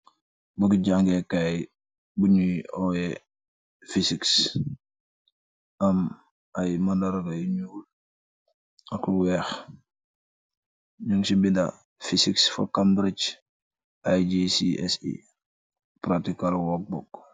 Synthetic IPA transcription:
bukiɟaŋɡɛkaj | buɲuɔjɛ | fisiks | ɐm | ajmandaɾɡajɲuːl | ɐkwɛx | ɲuŋsibinda̰ | fisiksfa̰kambɾit͡ʃ | ajd͡ʒisiɛ̰sḭ | pɾatikalwɔk̚bɔk

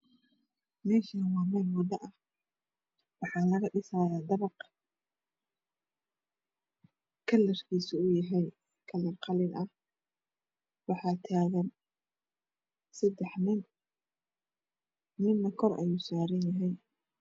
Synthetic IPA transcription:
mɛːʃawɑːmɛlmʊd̪ɐʔɐh | wɑħɑːlɐɣɐɖɪsaːjaːd̪ɐβɑq | kʰɐlːɛrkʰiːsʊʊjɐɦɛj | kʰɐlɛrqɑlɪnɐh | wɑħɑːt̪ʰaːɣɐn | sɐd̪ɛħnɪn | nɪnːɐkʰɔrʔɐ̰juːsaːɾɐnjɐɦɛj

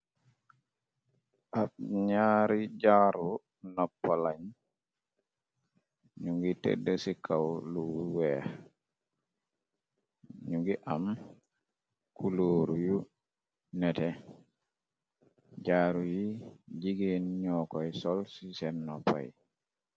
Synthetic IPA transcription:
ʔab̚ɲaːɾid͡ʒaɾu | nɔpːalaɲ | ɲuɡitɛ̰dɛsikʰawluwɛ | ɲuɡiʔam | kuloɾuju | nɛtɛ | d͡ʒaːɾujid͡ʒiɡenɲɔkɔjsɔlsisɛnːɔpːa̰j

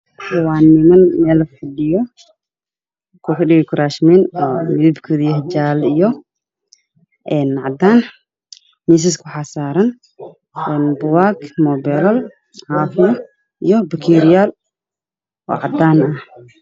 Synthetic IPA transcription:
ʊwaːnːɪmɐnmɛːlfɪɖɪjɔ | kʰʊfɪɖɪɣɛkʰʊɾaːʃminɔːmɪðɪbkʰʊðijɐhd͡ʒaːlijɔ | ʔɛːnʕɑd̪aːn | mis̬ɪskʰʊħasaːɾɐn | ʔɛːnbʊwaːɡmɔːbɛɾɐl | ʕaːfjɔ | ijɔbɐkʰiːɾɪjaːl | ʔɔ̰ːʕɑd̪aːnɐh

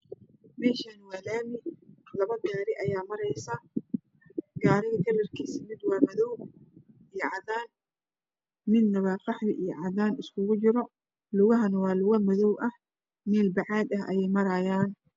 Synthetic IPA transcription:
mɛːʃɐnwaːlaːmɪlɐβɐɡaːɾɪʔɐjaːmɐɾɛjsɐ | ɡaːɾɛɡ̪ʰɐɾɐrkʰiːsɪmɪd̪wɑːmɐðɔw | ijɔʕɑðaːn | mɪd̪nɐβaːqɑħðɪʔijɞʕɑðaːnɪskʰʊɣʊt͡ʃɪɾɔ | lʊɣɐɦɐnɐwɑːlʊɣɐmɐðɔwʔɐh | mɛːlbɑʕɑːd̪ɐɦʔɐ̰jɛjmɐɾɐjaːn

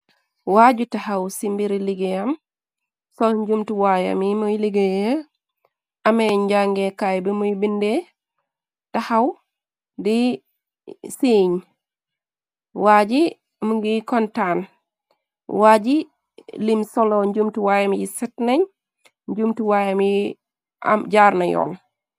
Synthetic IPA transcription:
waɟutahawsimbiɾiliɡejam | sɔɲd͡ʒumtuwaja̰mimujliɡeje | ʔameɲɟaŋɡekajbimujbinde | tahaw | di | siːɲ | waːd͡ʒi | muɡikɔntan | wad͡ʒi | limsɔloɲɟumtuwajamjisitnɐɲ | ɲd͡ʒumtuwajamji | a̰mɟaːɾnajɔ̰ːl

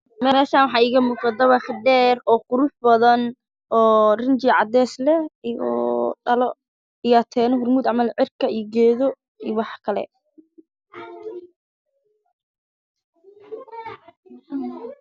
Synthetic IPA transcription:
mɛɛːʃaːnwɑħɑːiːɣɐmuːqɑd̪ɐβɐχd̪ɛːrɔːqʊɾʊħbɐðɐn | ɔːrɪnt͡ʃiʕɑd̪ɛːslɛjɔ̰ːd̪ɐlɔ | ijɐt̪ʰɛːnɔɦʊrmuːd̪ʕɑmɐlʕɪrkʰɐijɡɛːðɔ | iːwɑħkʰɐlɛ̰

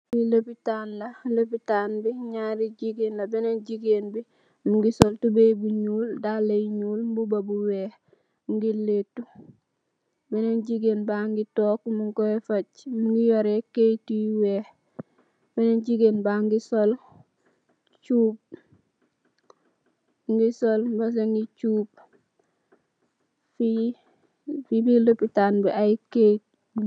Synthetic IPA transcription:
wilopitanlɐlopitanbiɲaɾiɟiɡenlɐbenenɟiɡenbi | muŋɡisoltubejbuɲuːldaleɲuːlmbubabuwɛːh | mɡiletːu | benenɟiɡeːnbaŋɡitɔːkmuŋkoefacmuŋɡijoɾekejtujiweh | benenɟiɡenbaŋɡisol | t͡ʃuːb̚ | ŋɡisolbas̬eŋɡit͡ʃuːb̚ | fi | fibilopːitanbɛʔajke

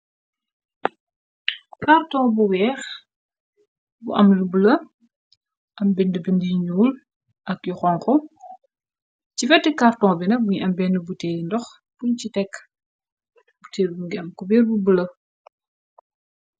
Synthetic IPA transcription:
kartɔ̃ŋbuwɛːx | bṵʔɐ̰mlublɐ | ʔɐmbɛndəbɛndiɲuːl | ʔɐk̚juxɔŋkɔ | cifɛtːikartɔ̃ŋbinɐbuɲʔɐmbɛndəbuteːindɔx | buɲcitɛkː | buteːlbuŋɡiɐmkɔbɛːrbubulɐ

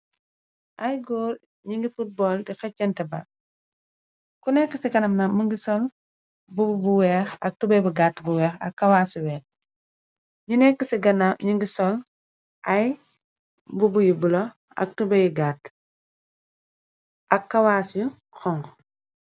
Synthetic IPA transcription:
ʔɐjɡoːɾ | ɲiŋɡifut̚bɔːldifɛcːɐntɛbɐ̰ | kunɛkːəsikɐnɐmnamuŋɡisɔl | bubbuwɛːxɐk̚tubɐjbuɡatːbuwɛːxɐ̰kːɐwaːsiwɛːx | ɲunɛkːəsiɡɐnaɲiŋɡisɔl | ʔɐj | bubujibulo | ɐ̰k̚tubɛjɡaːt | ʔɐkːɐwaːsu | xɔŋ

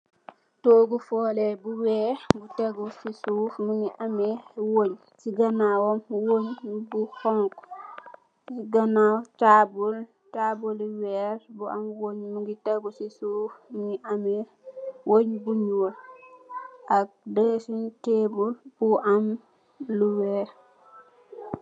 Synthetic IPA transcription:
toːɡufɔːlɛbuwɛːɡutɛɡusisufmuɲiʔamɛwoɲ | siɡanawɔmwoɲbuhɔŋk | siɡanawt͡ʃaːbul | t͡ʃabuliwɛɾbuamwoɲmuɡitɛɡusisufmuɲiʔamɛ | woɲbuɲul | ʔak̚dəsunteːbulbuʔam | luwɛː

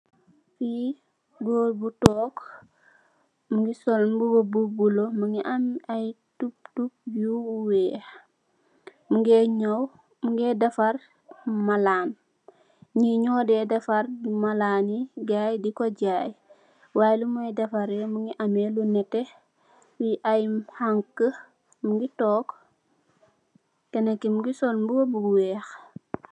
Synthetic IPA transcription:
fi | ɡoːbutɔːk | muŋɡisɔlbubobubulomuŋɡiʔamaj | tup̚tup̚juwɛː | muŋɡeɲow | muŋɡedafar | malaːn | ɲiɲɔːdɛdɐfɐrimɐlaːniɡaːjdikɔɟaːj | waːjlumɐjdɐfɐɾɛmuŋɡiʔɐmɛlunɛtɛ | wujʔajmhaŋkːə | muŋɡitɔːk | kɛnɛkːimuɡisɔlmbuwobuɡwɛːx

